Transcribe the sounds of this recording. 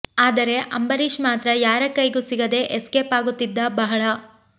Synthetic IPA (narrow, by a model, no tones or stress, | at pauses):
aːd̪ɐɾe̞ʔɐmbɐɾiʃmaːt̪ɾɐjaːɾɐkɐjɡusiɡɐd̪e̞ʔeskeːpaːɡut̪ːid̪ːɐbɐɦɐɭɐ